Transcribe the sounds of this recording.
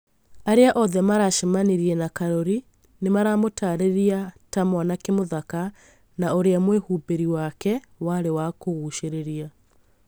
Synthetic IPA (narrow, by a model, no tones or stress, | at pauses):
aɾeaʔɔðɛmaɾaʃemaniɾiɛnakaɾoɾi | nemaɾamotaɾeɾiatamanakemoðaka | naoɾeamwehuːbeɾiwakɛ | waɾewakoɣuʃeɾeɾia